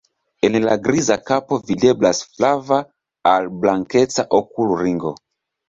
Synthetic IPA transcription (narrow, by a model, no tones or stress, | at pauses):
enla̰ɡɾizakapovideblasflava | alblaŋket͡saʔokuluɾiŋɡo̰